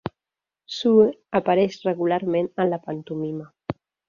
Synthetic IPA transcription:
suapaɾɛʃrəɣulaɾmẽnənlapant̪umima

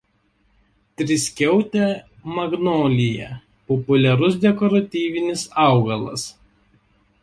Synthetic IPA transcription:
t̪ʲɾʲɪsʲkʲɛʊt̪ʲɛ | mɐɡnoːlʲɪjɛ̰ | pɔpʊlʲɛɾʊsd̪ʲɛkɔɾɐt̪ʲiːʋʲɪnʲɪsɑˑʊɡɐlˠɐ̰s

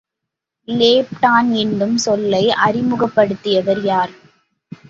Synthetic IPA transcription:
leːp̚ʈaːnɛɳɖɯmsɔlːɐɪʔɐɾɪmɯɣɐpːɐɽɯt̪ːɪjɐʋɐɾjaːɾ

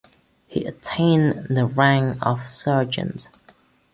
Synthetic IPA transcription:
hiʔətʰẽɪ̃nðəɹæ̃ŋə̰v̥sɜːd͡ʒə̰̃nz̥

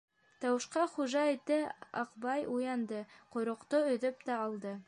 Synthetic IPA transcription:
t̪ɑwɤ̆ʃqɑχuʒɑet̪ːɘɑ̰qbɑjujɑnd̪ɤqŏjɾŏqt̪oɵ̆ðɵp̚t̪æɑlˠd̪ɤ

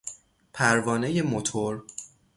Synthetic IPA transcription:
pʰæɾvɒːneje̞mot̪ʰoɾ

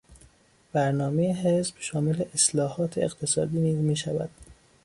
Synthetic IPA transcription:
b̥æɾnɒːmejeɦesb̥ʃɒːmele̞ʔeslɒːhɒːt̪ʰeeɢt̪ʰe̞sɒ̰ːd̪iːniːzmiːʃævæd̪̥

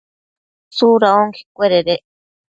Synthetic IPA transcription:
suɾaoŋkʰi̥kʷeɾeɾeʔ

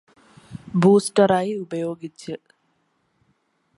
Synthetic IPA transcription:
buːsʈɐɾaːjubɐjoːɡitːə

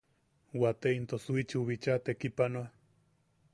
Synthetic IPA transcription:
wat̪eint̪osuit͡ʃuβit͡ʃat̪ekipanoa

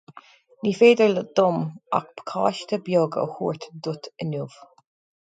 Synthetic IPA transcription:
niːfeːd̪əɹləd̪̥ʊma̰k̚b̥kʰaːʃt̪əbjoːɡə̰huːɹt̪d̪ʊt̪ʰənuːv̥

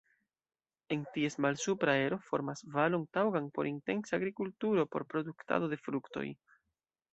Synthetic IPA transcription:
e̞ntie̞smalsupɾae̞ɾo̞fo̞̰ɾmasvalo̞ntawɡanpo̞̰ɾinte̞nsaːɡɾikultuɾo̞po̞ɾpɾo̞d̪ukta̰do̞de̞fɾukto̞̰j

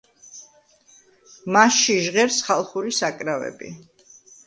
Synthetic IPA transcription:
masʃiʒʁɛɾsχalˠχuɾisakʼɾavɛ̰bḭ

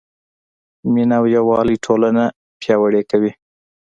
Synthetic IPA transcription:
minawjawɑliʈʰolana | pjɑwaɽekawi

